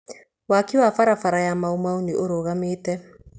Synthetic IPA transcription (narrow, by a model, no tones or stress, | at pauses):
wakiwafaɾafaɾajamaumauniʔoɾoɣameːtɛ